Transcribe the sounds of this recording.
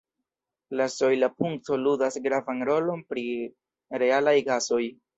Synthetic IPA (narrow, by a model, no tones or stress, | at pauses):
laso̞jlapuŋk̚to̞ludasɡɾavanɾo̞lo̞npɾi | ɾe̞alajɡaso̞j